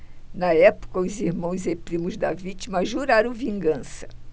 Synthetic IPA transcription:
nɐɛpʊ̥kɐʊziɾmɐ̃w̃zepɾĩmʊzd̪ɐvit͡ʃimɐʒuɾaɾɐ̃w̃vĩŋɡɐ̃sɐ̥

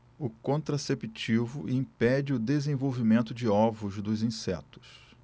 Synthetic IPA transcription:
ʊkõnt̪ɾasepit͡ʃivʊ̰ʔĩpɛd͡ʒɪʊd̪ezẽvowvimẽnt̪ʊd͡ʒɪɔvʊzd̪ʊzĩsɛ̰t̪ʊ̥s

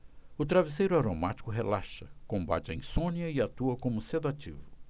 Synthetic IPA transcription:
ʊt̪ɾavis̬ejɾʊaɾomat͡ʃi̥kʊɦelaʃɐkõmba̰t͡ʃɪɐḭ̃sõniɐɪat̪uɐkõmʊsed̪at͡ʃḭvʊ

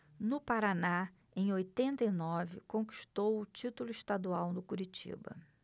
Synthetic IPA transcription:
nʊpaɾana | ẽj̃ojt̪ẽnt̪ɐinɔvɪ̰kõki̥ʃt̪owʊt͡ʃit̪ʊlʊiʃt̪ad̪uawnʊkuɾit͡ʃḭbɐ̰

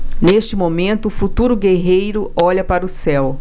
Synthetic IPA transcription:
neʃt͡ʃɪmomẽnt̪ʊːfut̪uɾʊɡeɦejɾʊɔʎɐpaɾɐʊsɛw

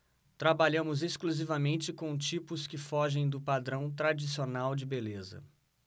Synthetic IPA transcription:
t̪ɾabaʎɐ̃mʊzeskluzivɐmẽnt͡ʃɪkõw̃t͡ʃipʊskɪfɔʒẽj̃d̪ʊpad̪ɾɐ̃w̃t̪ɾad͡ʒisionawd͡ʒɪbelezɐ̰

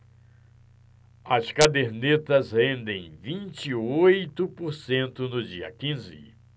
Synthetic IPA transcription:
ɐskad̪eɾnet̪ɐzhẽnd̪ẽj̃vĩnt͡ʃiojt̪ʊpoɾsẽnt̪ʊnʊd͡ʒiɐ̰kĩzɪ̰

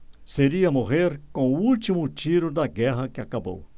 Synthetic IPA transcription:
seɾiɐmoɦeɾkõuult̪imʊt͡ʃiɾʊd̪ɐɡɛɦɐkɪakabo̰w

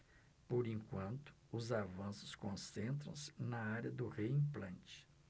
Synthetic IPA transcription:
poɾĩŋkwɐ̃nt̪ʊ̥ʊzavɐ̃sʊ̥skõsẽnt̪ɾɐ̰̃w̃sɪ̥nɐaɾjɐd̪ʊʁeĩŋplɐ̃nt͡ʃɪ̥

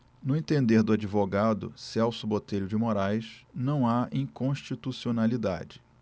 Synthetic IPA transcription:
nʊẽt̪ẽnd̪eɾd̪ʊad͡ʒivoɡad̪ʊ̰sɛwsʊbot̪ejɾʊd͡ʒɪmoɾajʃnɐ̃w̃aĩkõʃt͡ʃit̪usionalid̪a̰d͡ʒɪ̥

